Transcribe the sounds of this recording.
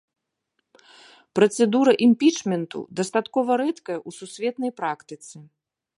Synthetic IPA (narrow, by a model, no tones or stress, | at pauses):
pɾɐt̪sɛd̪uɾɐʔimʲpʲit͡ʂmʲɛnt̪ṵd̪ɐst̪at̪kɔvɐɾɛt̪kɐjɐʔususʲvʲɛt̪nɐjpɾakt̪ɨt̪sɨ